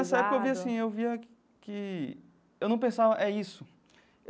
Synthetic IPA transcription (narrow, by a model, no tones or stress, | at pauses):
ɛsɐɛpukɐewviasĩewviɐ | kɪ | ewnɐ̃w̃p̬ẽsavɐʔɛisʊ | e